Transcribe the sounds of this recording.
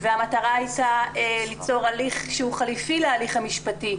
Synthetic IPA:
veamataʁaajtaelit͡so̞ʁaliχʃeuχalifilealiχamiʃpati

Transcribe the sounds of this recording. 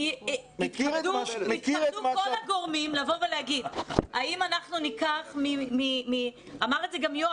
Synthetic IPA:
it̪umeadukolhaɡoʁmimlavo̞velehaɡid̪haimanaχnunikaχmimimi | amaʁedzeɡamjo

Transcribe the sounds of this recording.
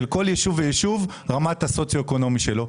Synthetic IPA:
lko̞ljeʃuvejeʃuv | ʁamathaso̞t͡sjo̞eko̞no̞miʃe̞lo̞

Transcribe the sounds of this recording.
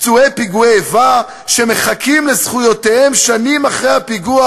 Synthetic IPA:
t͡suepiɡueva | ʃe̞me̞χakʰimlezχujo̞t̪ehe̞mʃanimaχʁejhapiɡua

